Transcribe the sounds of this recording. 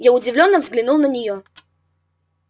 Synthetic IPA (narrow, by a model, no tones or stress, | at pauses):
jaʊdʲɪvlʲonːəvzɡlʲɪnulˠnənʲɪjo